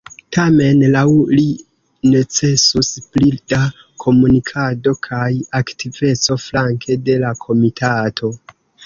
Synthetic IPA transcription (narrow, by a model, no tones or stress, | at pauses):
tame̞nlawli | ne̞t͡se̞susplida | kʰo̞munikʰado̞kʰajaktʰive̞t͡so̞flaŋkʰe̞de̞lakʰo̞mitʰatʰo̞